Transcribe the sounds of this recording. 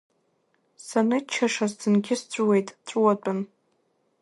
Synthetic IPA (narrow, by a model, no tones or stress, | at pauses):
sanɨt͡ʃʰaʂazdɨnɡʲɪst͡ɕʷʼuwe̞jtʼt͡ɕʷʼuwat͡pʷʼʊn